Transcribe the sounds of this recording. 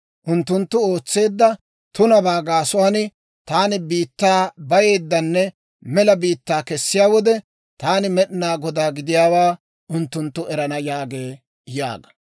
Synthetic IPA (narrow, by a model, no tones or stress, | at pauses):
ʔʊnt̪ːʊnt̪ːʊo̞ːt͡sːe̞ːd̪ːɐ | t̪ʊnɐbaːɡaːsʊwaːnɪ | t̪aːnɪbiːt̪ːaːbɐje̞ːd̪ːɐnːɛ | mɛlɐbiːt̪ːaːkɛsːɪjaːwɔd̪ɛ | t̪aːnɪmɛɗɪnaːɡɔd̪aːɡɪd̪ɪjaːwaː | ʊnt̪ːʊnt̪ːʊʔɛɾɐnɐjaːɡe̞ː | ja̰ːɡɐ̥